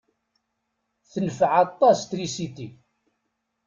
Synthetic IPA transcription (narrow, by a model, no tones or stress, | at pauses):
θənəfʕɑt̪ˤːɑst̪ɾisit̪i